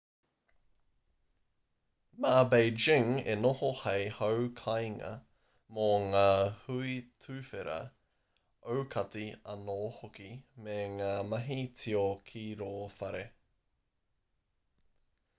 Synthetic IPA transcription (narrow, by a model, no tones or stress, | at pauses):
maːbejd͡ʒɪŋḛnohohejhowkʰɐjŋɐ̰ | moŋaːhuitʰʉːfeɾɐ̰ | ʔowkʰɐtiɐnoːhokimeŋaːmɐɦit͡sʰiokʰiːɾoːfɐɾe